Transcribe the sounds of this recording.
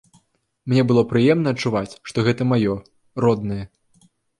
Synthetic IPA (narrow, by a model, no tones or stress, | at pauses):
mnʲɛbɨlˠɔpɾɨjɛmnɐɐt͡ʂːuvat͡sʲʂt̪ɔɣɛt̪ɐmajɔ | rɔd̪nɨjɐ